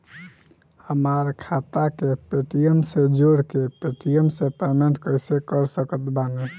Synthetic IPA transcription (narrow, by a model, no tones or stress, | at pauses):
həmaɾkʰat̪akepeʈijemsed͡ʒoɽkepeʈijemsepemeɳʈkəjsekəɾsəkət̪bane